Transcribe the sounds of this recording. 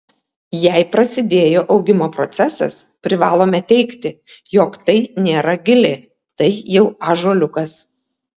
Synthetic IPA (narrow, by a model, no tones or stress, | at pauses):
jɛɪpɾɐsʲɪd̪ʲeːjoːʔɒʊɡʲɪmoːpɾɔt̪sʲɛsɐ̰spʲɾʲɪʋɑːlˠoːmʲɛt̪ʲɛɪkt̪ʲɪ | joːkt̪ɐɪnʲeːɾɐɡʲɪlʲeː | t̪ɐɪjɛʊɑːʒoːlʲʊkɐs